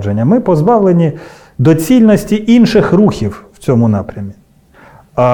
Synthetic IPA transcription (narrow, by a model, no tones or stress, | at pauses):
d͡ʒenʲːɐmɪpɔzbɑʋlˠenʲi | d̪ɔt͡sʲilʲnɔsʲtʲiʔinʃɪxruxʲiww̥t͡sʲɔmʊnɑpɾʲɐmʲi